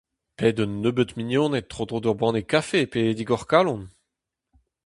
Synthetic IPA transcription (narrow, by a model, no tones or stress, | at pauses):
pɛːd̪ɔnːøbət̪minjɔ̃ːnet̪ːχod̪ʁod̪œʁbɑ̃nekafeped̪iɡɔʁkalɔ̃n